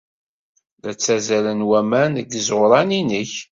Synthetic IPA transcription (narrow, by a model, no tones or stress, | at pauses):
ðæt͡sːæzælənwæmænəɡəzɾˤɑninəç